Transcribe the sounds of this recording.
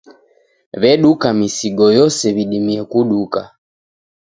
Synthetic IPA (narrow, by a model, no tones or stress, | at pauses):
βɛɗukamisiɡɔjɔsɛβiɗimiɛkuɗuka̰